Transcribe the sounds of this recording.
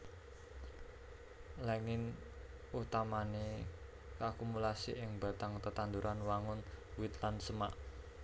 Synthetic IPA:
lɛŋɪn | ut̪amane | kakumulasḭʔɪŋb̥ä̤t̪aŋt̪ət̪and̪uɾʔanwaŋʊnwɪt̪lansəmaʔ

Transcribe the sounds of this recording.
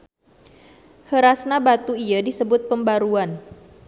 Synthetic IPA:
həɾasnabat̪uijadisəbʊt̪̚pəmbaɾuan

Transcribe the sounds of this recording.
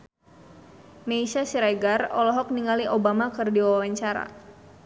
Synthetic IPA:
meisasiɾaɡarɔlɔɦɔk̚niŋaliʔobamakɨrdiwaawaɲt͡ʃaɾa̰

